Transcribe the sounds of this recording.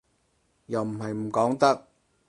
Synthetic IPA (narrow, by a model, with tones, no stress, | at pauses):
jɐ˨wm̩˨˩hɐ˨jm̩˨˩kɔː˨˥ŋt̪ɐ˥k̚